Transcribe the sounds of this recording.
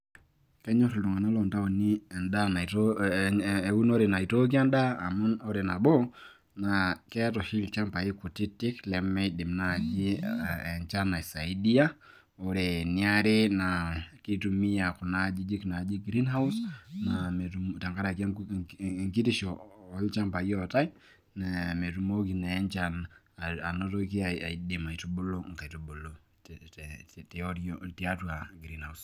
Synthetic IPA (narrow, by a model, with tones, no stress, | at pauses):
kɛ˦ɲɔ˦ɾldu˨ŋa˨na˦lɔ˨nda˦o˨ni˦ɛ˨nda˦na˨t | ɛ˨u˦nɔ˦ɾɛna˨i˨tɔ˦k̬i˦a˦ndaː˦˨mu˦nɔ˦ɾɛ˨na˨bɔ˦ | nakɛ˦tɔ˨ʃi˦lt͡ʃa˦mpa˨i˦ku˨ti˦tːi˦klɛ˨mːɛdi˨mna˨d͡ʒi˦ɛ˨nt͡ʃa˦na˨sa˨i˦di˦a˦ | ɔ˨ɾɛ˨ni˨a˦ɾe˦naki˦tu˨mi˦a˨ku˨na˦d͡ʒi˦d͡ʒi˦ki˨na˨d͡ʒi˦ɡɾi˦nha˦usna˨mɛ˨tumta˨ŋɡa˦ɾa˨ki˦a˦ | ŋki˦ti˦ʃɔ˨ɔ˦lt͡ʃa˦mpa˨jɔ˦˨ta˦i | na˨mɛ˨tu˨mɔ˦ki˨na˨ɛ˦nt͡ʃa˦n | a˨nɔ˦tɔ˦ki˦a˨a˨i˨di˨ma˨i˨tu˦ɓo˦lɔ˦ŋ̩˨ka˨i˨tu˨bo˨lo˨ | tɔ˦ɾiɔti˦a˦tu˨a˨ɡɾi˦nhaus